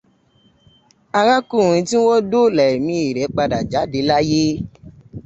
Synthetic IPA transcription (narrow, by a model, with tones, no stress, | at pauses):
a˧ɾa˦kũ˦˨ɾ̃ĩ˧tĩ˦wo˦do˦lɛ˨e˨mĩ˧˦i˨ɾɛ˨˦k͡pa˧da˨d͡ʒa˨˦de˧˦la˦je˦